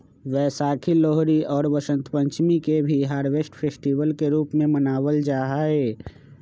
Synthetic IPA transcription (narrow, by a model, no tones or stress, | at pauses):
ʋɛːsaːkʰilɔːɦɾiɔːɾʋəʃə̃nt̪pə̃ɲt͡ʃmikebʱiɦaːɾʋeːsʈpʰeːsʈiʋəlkeɾuːpmẽmənaːwəld͡ʒaːɦaɦeː